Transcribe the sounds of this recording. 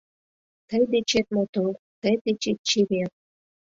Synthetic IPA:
t̪əjd̪et͡ɕet̪̚mot̪o | t̪əjd̪et͡ɕet̪̚t͡ɕiβeɾ

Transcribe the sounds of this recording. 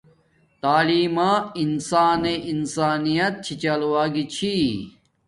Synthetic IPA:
t̪aːliːmaːinsaːneʔinsaːnijɐt̪̚t͡ɕʰit͡ɕɐlwaːɡit͡ɕʰi

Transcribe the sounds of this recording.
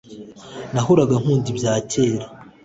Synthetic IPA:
naɦuɾaɡaŋ̥huːndibjaːcʰeːɾa

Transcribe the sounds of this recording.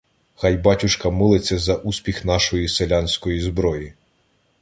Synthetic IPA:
xɑjbɑtʲʊʃkɐmɪlˠet͡sʲːɐzɐʔusʲpʲixnɑʃɔjiselʲansʲkɔjizbɾɔji

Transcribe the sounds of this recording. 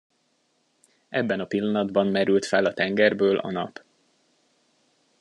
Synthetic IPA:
ʔɛbːɛnɒpilːɒnɒd̪bɒnmɛɾylt̪fɛlɒt̪ɛŋɡɛrbøːlʔɒ̰nɒ̰p

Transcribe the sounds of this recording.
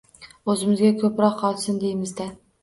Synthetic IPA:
ɵzɪmɪzɡʲakʲʰɵpɾɒqɒlˠsɪnd̪ejmɪzd̪a

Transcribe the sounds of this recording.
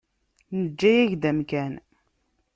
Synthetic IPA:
nəd͡ʒːæjæʝd̪æmkæn

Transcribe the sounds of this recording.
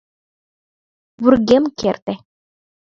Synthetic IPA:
βurɣemkert̪ĕ

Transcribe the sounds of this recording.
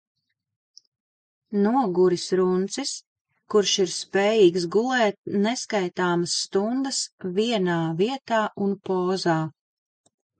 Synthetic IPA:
nuɔɡuɾisɾunt̪sis | kuɾʃiɾspɛːjiːɡsɡulˠɛːt̪̚nɛskajt̪aːməsːt̪und̪əsviɛnaːviɛt̪aːʔunpɔːzaː

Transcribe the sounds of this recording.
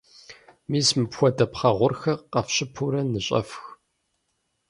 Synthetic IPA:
miːsmɨpxʷɔdɐpχɐʁʷʊrxɐqɐfɕɪpʰuɾɐnɨɕʼɐ̰fx

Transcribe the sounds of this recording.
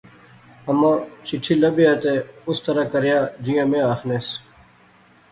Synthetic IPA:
əmãːt͡ʃiʈʰiːləbijat̪eːʊst̪əɾaːkəɾjaːd͡ʑijãːmẽːaːxneːs

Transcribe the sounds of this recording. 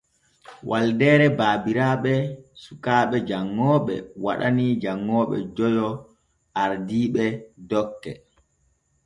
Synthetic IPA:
wʔaldɛːɾɛbaːbiɾaːɓɛsukaːɓɛd͡ʒaŋːɔːɓɛ̰wa̰ɗa̰nid͡ʒaŋːɔːɓɛ̰d͡ʒɔjɔ | ʔaɾdiːɓɛdɔkːɛ

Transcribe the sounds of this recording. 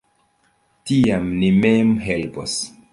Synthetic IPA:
tiamnimemɦelpo̰s

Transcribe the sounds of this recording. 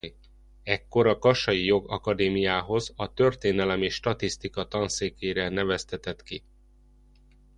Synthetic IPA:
ɛkːo̞ɾɒkɒʃɒjijo̞ɡɒkɒd̪eːmijaːɦo̞zɒt̪ø̞rt̪eːnɛlɛmeːʃːt̪ɒt̪ist̪ikɒt̪ɒnseːkeːɾɛnɛvɛst̪ɛt̪ɛt̪ki

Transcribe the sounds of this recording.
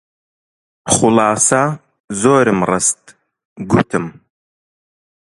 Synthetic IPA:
χʊlɑːsɐ | zoːɾɨmrɨst̪ | ɡut̪ʰɨm

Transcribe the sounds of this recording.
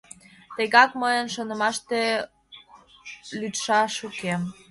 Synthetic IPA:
t̪eɣɑkməjənʃonəmɑʃt̪e | lyt̪ʃɑʃukem

